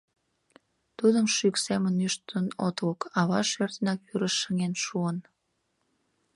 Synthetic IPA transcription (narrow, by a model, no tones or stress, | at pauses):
t̪ud̪əmʃyksemənyʃt̪ənot̪lokɑβɑʃørt̪ənɑkyɾəʃːəŋenʃuən